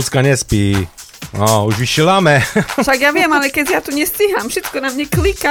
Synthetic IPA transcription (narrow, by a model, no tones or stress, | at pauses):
t͡skaɲɛspiː | nouʒviʃilamɛʃaɡjaːvjɛmalɛkɛzjaːt̪uɲɛsciɦamfʃɛt͡skɔnamɲɛklika